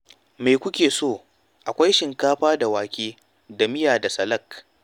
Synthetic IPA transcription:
meː˨kʷʊ˦kʲeː˨soː˦˨ | ʔa˨kʷa˦jʃɪ˨ŋkaː˦ɸaː˦da˨waː˨kʲeː˦ | dɐ˨mɪ˦jaː˨da˨sɐ˨lɐ˦˨k

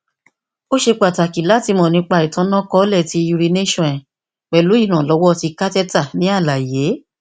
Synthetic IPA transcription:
o˦ʃe˧k͡pa˨ta˨ki˨la˦ti˧mɔ̃˨nĩ˧˦k͡pa˧i˨tã˨˧˦nã˦kɔ˦lɛ˦˨ti˧ju˧ɾi˧ne˦ʃɔ̃˦˨ɛ̃˨ | k͡pɛ˨lu˨˦i˦˨ɾ̃ã˨lɔ˨˦wɔ˦˧ti˧ka˦tɛ˦ta˦˨nĩ˨˦a˦˨la˨je˨˦

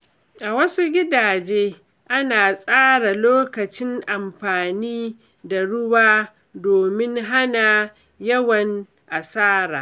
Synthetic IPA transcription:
ʔa˨wɐ˦su˦ɡʲɪ˦daː˨d͡ʒeː˦ | ʔa˦naː˨sʼaː˦ɽa˨loː˦kɐ˨t͡ʃɪ˦ŋʔa˨mɸaː˨niː˦ | da˨ɽʊ˦waː˦ | doː˨mɪ˦ŋɦa˦na˨ | jɐ˦wɐ˨n | ʔa˨saː˦ɾa̰ː˨

